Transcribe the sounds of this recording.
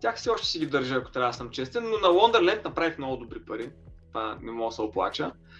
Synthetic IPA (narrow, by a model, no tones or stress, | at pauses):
t̪ʲaxfsɛɔʃt̪ɛ̥siɡʲid̪əɾʒəɐko̥t̪ɾʲad̪əsɐmt͡ʃɛst̪ɛnːonɐlˠɔnd̪əɾlɛnt̪nɐpɾavixmnɔɡʊd̪obɾipɐɾit̪vanɛmɔɡəsɐoplˠa̰t͡ʃə